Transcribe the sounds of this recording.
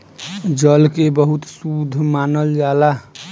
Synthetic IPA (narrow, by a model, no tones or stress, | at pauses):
d͡ʒəlkebəɦut̪sud̪ʱmanəld͡ʒala